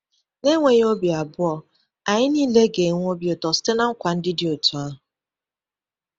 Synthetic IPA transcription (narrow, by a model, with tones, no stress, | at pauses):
ne˦ŋʷe˨ɲ˦o˦bi˨a˨bʊ˦ɔ˨ | a˨ɲɪ˦niː˦le˦ɡe˨˦ŋʷ˦o˦bjo˨tɔ˨stɪ˦na˦ŋ̩˦kʷa˨n̩˦dɪ˦dɪ˦o˨tu˨a˦ɦʊ˨